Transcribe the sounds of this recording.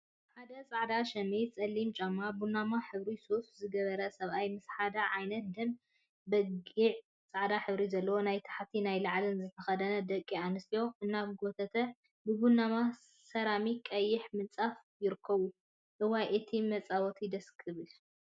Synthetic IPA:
ħad̪ɐt͡sʼaʕd̪aʃɐmit͡sʼɐlːimt͡ʃʼamːabunamaħɨβɾisoszɨɡɐβɐɾɐsɐβʔajmɨsħad̪aʕajnɐt̪̚d̪ɐm | bɐɡiʕ | t͡sʼaʕd̪aħɨβɾizɐlːɐwo̞najt̪ʰḁħt̪ʰinajlaʕlɨnzɨt̪ʰɐxɐd̪ɐnɐd̪ɐkʼːianɨst̪ijo̞ʔɨnːaβɡot̪ʰɐt̪ʰɐ | bɨbunːama | sɐɾamikʼɐjːɪħmɨnt͡sʼaf | jɪɾɨkʰːɐβu | ʔɨwajʔɨt̪ʰimɐt͡sʼawɔt̪ʰid̪ɐskʰɨβɨl

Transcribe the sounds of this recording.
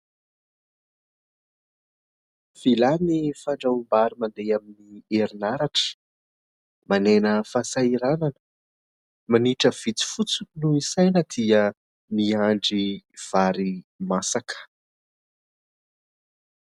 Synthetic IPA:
v̥ilanifaɳɖ͡ʐaumbaɾimand̪eaminieɾinaɾaʈ͡ʂə̥ | manenəfasaiɾananə̥ | maniʈ͡ʂəv̥it͡si̥fut͡sunuisajnəd̪̥iə | miaɳɖ͡ʐiv̥aɾimasakə̥

